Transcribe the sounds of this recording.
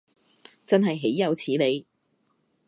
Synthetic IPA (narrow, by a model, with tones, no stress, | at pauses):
t͡sɐ˥nɦɐ˨jɦe˨˥jːɐ˨˧wt͡sʰiː˨˥le˨˧j